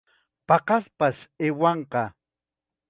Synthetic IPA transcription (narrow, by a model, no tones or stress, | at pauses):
pɑqɑspaʃewɑɴqɑ